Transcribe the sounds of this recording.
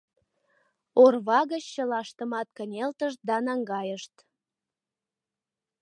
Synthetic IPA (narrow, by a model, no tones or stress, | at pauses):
orβɑɣət͡ɕːəlɑʃt̪əmɑt̪̚kənʲelt̪əʃt̪̚d̪ɑnɑŋɡɑjəʃt̪